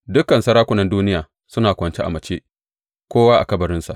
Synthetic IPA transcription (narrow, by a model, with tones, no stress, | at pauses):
dʊ˦kɐ˨nsɐ˦ɾaː˦kʷʊ˦nɐ˨nduː˦nɪ˦jaː˨ | sʊ˦naː˨kʷɐ˨nt͡ʃe˦ʔa˨mɐ˨t͡ʃeː˦ | kʷoː˦waː˦ʔa̰˨kɐ˦bɐ˨ɾɪ˦nsa̰˨ʔ